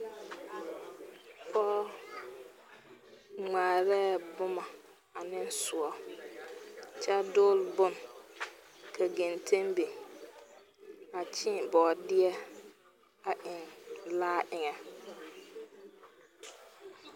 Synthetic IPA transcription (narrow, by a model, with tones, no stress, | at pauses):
fɔː˦ | ŋ͡maː˨ɾɛ˦bʊ˦ma˨ | a˨nɪ˦n˦sʊ˨ɔ˨ | t͡ʃɛ˦dʊː˦lbʊ˦n˨ | kʰa˨ɡe˨ntʰe˦mbe˨ | a˨t͡ʃɪ˦˨bɔː˨dɪ˦ɛ˦ | a˨ʔɪ˨ŋlaː˦ʔɪ˨ŋɛ˨